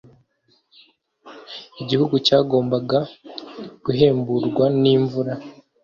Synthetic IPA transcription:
iɟihuɡucaːɡo̞ːmbaɡa | ɡ̥uɦe̞ːmbuɾɡwaniːɱvuɾa

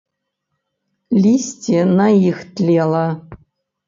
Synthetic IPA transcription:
lʲisʲtʲenaixt̪lʲelˠa

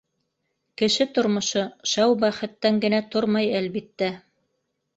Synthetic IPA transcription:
kɘ̆ʃɘt̪ŏɾmŏʃɤʃæwbæχɘ̆t̪ːæŋɡɘ̆næt̪oɾmɑjælβit̪ːæ

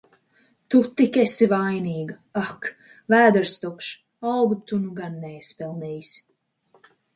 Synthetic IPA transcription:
t̪ut̪ikesivajniːɡa | ak | væːd̪ɨɾst̪ukʃ | awɡut̪unuɡanːɛjspɛlˠnɛjisʲ

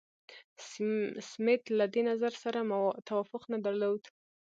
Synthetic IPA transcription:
smɪt̪lad̪enazaɾsaɾamt̪awafʊqnad̪aɾlod̪

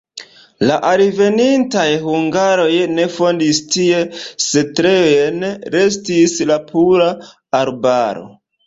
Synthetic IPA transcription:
laʔaɾve̞nintajhuŋɡaɾo̞jne̞fo̞ndistie̞se̞tɾe̞ojenɾe̞s̬tislapʰuɾaː | ɾbaɾo̞̰

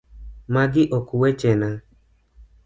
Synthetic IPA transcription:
maɡɪʔokuwɛt͡ʃɛnã

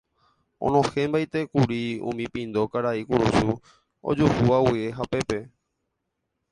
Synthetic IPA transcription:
õ̰nõhẽmbajt̪ekuɾiṵ̃mĩpĩnd̪o̞kaɾaikuɾusu | o̰d͡ʒuhuawieɦapepe

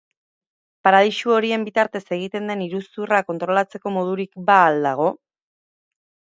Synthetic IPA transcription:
paɾaðiʃuo̞ɾie̞mbit̪aɾt̪e̞se̞ɣ̞it̪e̞nd̪e̞niɾusurako̞nt̪ɾo̞lat͡se̞ko̞mo̞ð̞uɾikbaːld̪aɣ̞o̞

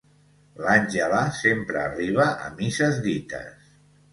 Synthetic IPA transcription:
lanʲʒəlasempɾəːriβ̞əʔə̰misəzðit̪ə̰s

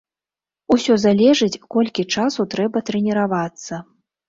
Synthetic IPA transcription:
usʲɔzalʲɛʐɨt͡sʲkɔlʲkʲit͡ʂasut̪ɾɛbɐt̪ɾɛnʲɛɾavat̪sːɐ

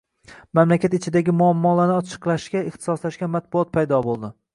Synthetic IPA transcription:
mamlakʲat̪ɪt͡ʃʰɪd̪aɡʲɪmʊamːɒlanɪɒt͡ʃʰɨ̥qlˠaʃkʲaɪχt̪ʰɪ̥sɒslaʃkʲanmat̪̚bʊɒt̪̚pʰajd̪ɒbolˠd̪ɪ

